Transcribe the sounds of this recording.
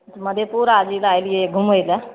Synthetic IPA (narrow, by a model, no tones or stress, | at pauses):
t̪məd̪ʱjepuɾad͡ʒilajlijeɡʱumojla